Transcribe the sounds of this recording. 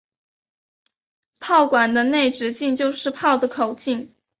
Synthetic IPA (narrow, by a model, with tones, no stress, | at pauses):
pʰɑ˥˩ʊkwa˨˩nd̪ə˦ne˥˩ɪʈ͡ʂɻ̩˧˥t͡ɕi˥˧ŋt͡ɕjo˥˧ʊʂɻ̩˥˧pʰɑ˥˩ʊd̪ə˩kʰo˨˩ʊt͡ɕi˥˩ŋ